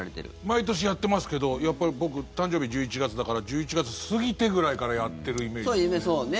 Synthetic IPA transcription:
ɾet̪ḛɾɯ̰mait̪o̞ɕ̬ijat̪ːe̞masɨ̥ke̞d̪o̞japːaɾʲibo̞kɯ̟t̪ãɲ̟d͡ʑo̞ːbʲiʑɨːit͡ɕiɡat͡sɨd̪akaɾad͡ʑɨːit͡ɕiɡat͡sɨsɨɡʲit̪e̞ɡɯ̟ɾaikaɾajat̪ːe̞ɾɯ̟ime̞ːsoimesoːne

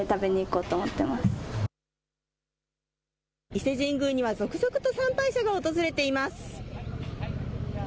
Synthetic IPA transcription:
t̪abe̞ɲ̟iiko̞ːt̪o̞ːmot̪ːe̞masɨ̥ | ise̞ʑĩŋɡɯ̟ɲ̟iβazo̞kɯ̟zo̞kɯ̟t̪o̞sãmpaiɕaɡao̞t̪o̞zɨɾe̞t̪e̞imasɨ̥

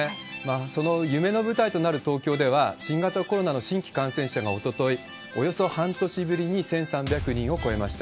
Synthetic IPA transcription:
maːso̞no̞jɯ̟me̞no̞bɯ̟t̪ait̪o̞naɾɯ̟t̪o̞ːkʲo̞ːd̪e̞β̞aɕĩŋɡat̪ako̞ɾo̞nano̞ɕĩŋkʲi̥kãɰ̃sẽ̞ɰ̃ɕaɡao̞t̪o̞t̪o̞i | o̞jo̞so̞hãnt̪o̞ɕibɯ̟ɾʲiɲ̟isẽ̞ɰ̃sãmbʲakɯ̟ɲ̟ĩɰ̃o̞ko̞e̞maɕi̥t̪a

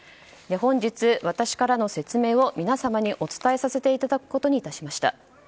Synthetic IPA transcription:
d̪eɦõ̞ɲ̟d͡ʑit͡sɨβat̪aɕi̥kaɾano̞se̞t͡sɨme̞ːo̞mʲinasamaɲ̟iʔo̞t͡sɨ̥t̪ae̞sase̞t̪e̞it̪ad̪akɯ̟̥ko̞t̪o̞ɲ̟it̪aɕimaɕi̥t̪a̰

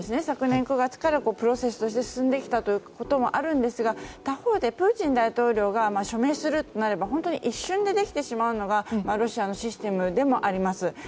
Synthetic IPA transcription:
esɨne̞sakɯ̟nẽ̞ŋkɯ̟ɡat͡sɨ̥kaɾako̞ːpɯ̟ɾo̞se̞sɨ̥t̪o̞ɕ̬i̥t̪e̞sɨ̥sɨ̃nd̪e̞kʲi̥t̪at̪o̞jɯ̟ko̞t̪o̞mo̞̰ʔaɾɯ̟̃nd̪e̞sɨɡat̪aho̞ːd̪e̞pɯ̟ːt͡ɕĩnd̪ait̪o̞ːɾʲo̞ːɡamaɕo̞me̞ːsɨɾɯ̟t̪onaɾe̞baɦõ̞nt̪o̞ɲ̟iʔiɕːɨ̃nd̪e̞d̪e̞kʲt̪e̞ɕimaɯ̟no̞ɡamaɾo̞ɕiano̞ɕisɨ̥t̪e̞mɯ̟d̪e̞mo̞ʔaɾʲimasɨ

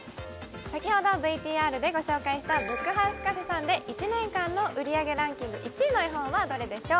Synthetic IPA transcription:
sakʲiho̞d̪o̞bɯ̟it̪ʲiːaːɾɯ̟d̪e̞ɡo̞ɕo̞ːkaiɕi̥t̪abɯ̟kːɯ̟ɦaɯsɨ̥kasɨsãnd̪e̞ʔit͡ɕinẽ̞ŋkãnːo̞ʔɯ̟ɾʲiaɡe̞ɾãŋkʲĩŋɡɯ̟ʔit͡ɕiːnoiɦõ̞ɰ̃βad̪o̞ɾe̞d̪e̞ɕo̞ː

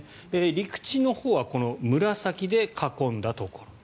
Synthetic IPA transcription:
eːɾʲikɯ̟̥t͡ɕino̞hoːβako̞no̞mɯ̟ɾasakʲid̪e̞kʰakõ̞nd̪at̪o̞ko̞ɾo

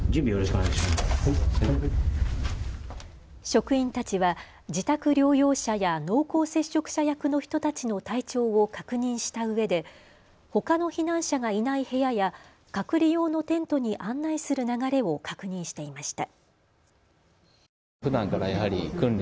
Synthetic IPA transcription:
d͡ʑɨ̃mbʲijoɾoɕikoaɕim | ɕo̞kɯ̟ĩnt̪at͡ɕiβa | d͡ʑit̪akɯ̟ɾʲo̞ːjo̞ːɕajano̞ːko̞ːse̞ɕːo̞kɯ̟̥ɕajakɯ̟no̞çi̥t̪o̞t̪at͡ɕino̞t̪ait͡ɕo̞ːokakɯ̟ɲ̟ĩɰ̃ɕi̥t̪aɯ̟βe̞d̪e̞ | ho̞kano̞çinãɰ̃ɕaɡainaihe̞jaja | kakɯ̟ɾʲijo̞ːno̞t̪ẽ̞nt̪o̞ɲ̟iʔãnːaisɨɾɯ̟naɡaɾe̞o̞kʰakɯ̟ɲ̟ĩɰ̃ɕi̥t̪e̞imaɕi̥t̪a | ɸɯ̟d̪ãŋkaɾajahaɾʲikɯ̟̃nɾʲ

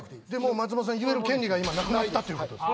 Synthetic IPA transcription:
d̪e̞moːmat͡s̬ɨmos̬ãjɯ̟e̞ɾɯ̟kʲẽ̞nʲɾʲiɡaimanakɯ̟nat̪t̪ːat̪ːeɾɯkod̪o

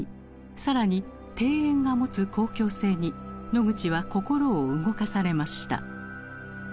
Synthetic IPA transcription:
saɾaɲ̟i | t̪e̞ːẽŋɡamo̞t͡sɨko̞ːkʲo̞ːse̞ːɲ̟ino̞ɡɯ̟t͡ɕiβako̞ko̞ɾo̞ːɯ̟ɡo̞kasaɾe̞maɕi̥t̪a̰

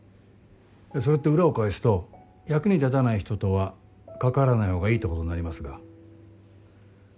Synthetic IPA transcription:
jaso̞ɾe̞t̪ːe̞ɯ̟ɾao̞kaesɨ̥t̪o̞ | jakɯ̟ɲ̟it̪at̪anaiçi̥t̪o̞t̪o̞βa | kakaɾanaiho̞ːɡaiːt̪ːo̞kotoɲinaɾʲimasɨɡa

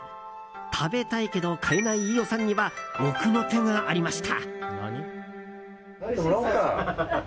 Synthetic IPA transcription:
t̪ʰabe̞t̪aike̞d̪o̞kʰainaiijo̞sãɲ̟ːiβabokɯno̞t̪ẽ̞ŋɡaʔaɾʲimaɕi̥t̪ʰa̰

